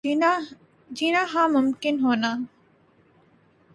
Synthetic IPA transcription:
d͡ʒiːnaːɦãːmʊmkɪnɦoːnaː

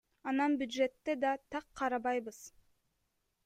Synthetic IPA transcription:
ɑnɑnbʲjud̪ʒe̞t̪ːe̞d̪ɑt̪ʰɑqʰːɑɾɑβɑjβɯz̥

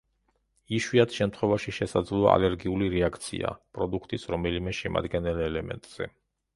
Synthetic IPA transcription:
iʃwiat̪ʃɛmt̪ʰχwɛvaʃiʃɛsad̪zlˠɔa̰lɛɾɡiuliɾɛakʰt̪sʰḭa̰pʼɾɔd̪ukʰt̪ʼisɾɔmɛlimɛʃɛma̰d̪ɡɛnɛlɛlɛmɛ̰nt̪ʼz̥ɛ̰

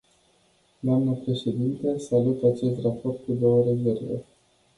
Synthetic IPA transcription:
d̪oamnəpɾe̞ʃe̞d̪int̪əsalut̪at͡ʃe̞st̪rapo̞rt̪̚kud̪o̞wəɾe̞ze̞rvḛ

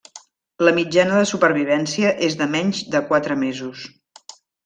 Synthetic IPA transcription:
ləmid͡ʒanəðəsupəɾβ̞iβ̞ɛnsiəʔezðəmɛɲd͡ʒðəkwat̪ɾəmezus

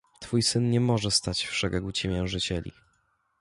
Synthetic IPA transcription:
t̪fujsɘnɲɛmɔʐɛst̪at͡ɕfʂɛɡɛɡut͡ɕimʲjɛwʐɘt͡ɕɛlʲḭ

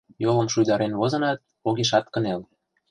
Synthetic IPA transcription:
jolə̆mʃujd̪ɑɾenβozɤ̆nɑt̪̚ | oɣeʃɑt̪kə̆nel

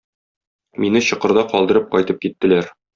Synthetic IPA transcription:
minɘɕɤ̆qɤ̆ɾd̪ɑqɒlˠd̪ɤ̆ɾɤp̚qɒjt̪ɤp̚kit̪ːɘ̆læɾ

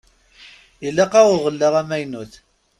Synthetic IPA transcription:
ilːɑqɑwʁəlːəʁæmæjnuθ

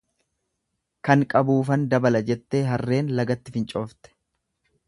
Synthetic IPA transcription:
kɐŋkʼɐbuːfɐnd̪ɐbɐlɐd͡ʒɛt̪ːe̞ːɦɐrːe̞ːnlɐɡɐt̪ːɪfɪnt͡ʃʼo̞ːft̪ɛ̥

